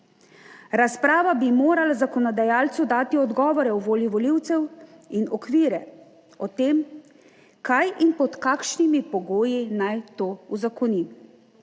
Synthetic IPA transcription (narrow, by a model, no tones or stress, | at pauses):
ɾaspɾaːʋabimoːɾalazakɔnɔd̪ajaːlt̪sud̪aːt̪iɔd̪ɡɔːʋɔɾɛwʋoːliʋɔliwt̪sɛw | inɔkʋiːɾɛ | ɔt̪eːm | kajʔinpɔt̪kaːkʃnimipɔɡoːjinajt̪oːuzakɔnim